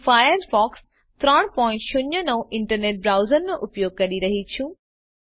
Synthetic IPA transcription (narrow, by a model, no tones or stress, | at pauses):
faːjəɾfɔːks | t̪ɾaɽ̃pɔ̃ːɪ̃ɳʈʃʊɲənɐũʔɪ̃ɳʈəɾneːʈ̚bɾaːʊzəɾmẽʔʊpjoːɡ̚kɐɗiɾɐɦitʰjũː